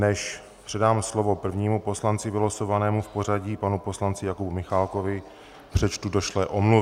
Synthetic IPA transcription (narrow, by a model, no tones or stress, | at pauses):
nɛʃ | pr̥ɛdaːmslo̞vo̞pr̩vɲiːmupo̞slant͡sɪvɪlosovanɛːmufpo̞r̝aɟiːpanupo̞slant͡sɪjakubumɪxalko̞vɪ | pr̝̥ɛt͡ʃt̪udoʃlɛʔomlu